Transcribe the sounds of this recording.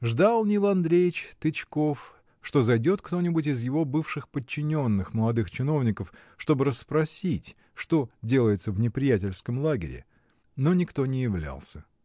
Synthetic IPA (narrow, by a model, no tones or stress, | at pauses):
ʐd̪alˠnʲɪlˠɐnd̪ɾʲejɪt͡ɕt̪ɨt͡ɕko̞f | ʂt̪o̞zɐjdʲo̞t̪kt̪o̞nʲɪbʊtʲɪzjɪvo̞bɨfʂɨxpət͡ɕːɪnʲo̞nːɨxməlˠɐd̪ɨxt͡ɕɪno̞vnʲɪkəf | ʂt̪o̞bɨɾəspɾɐsʲitʲ | ʂt̪o̞dʲe̞lˠəjɪt̪səvnʲɪpɾʲɪjætʲɪlʲskəmlˠaɡʲɪ̰ɾʲɪ̰ | no̞nʲɪkt̪o̞nʲɪjɪvlʲa̰lˠsʲə